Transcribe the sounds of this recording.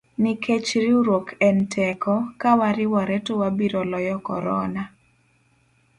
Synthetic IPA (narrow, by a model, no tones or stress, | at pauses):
niket͡ʃɾiuɾwokʰɛntʰɛkɔkawaɾɪwɔɾɛtowabiɾɔlɔjɔkɔ̰ɾɔ̰na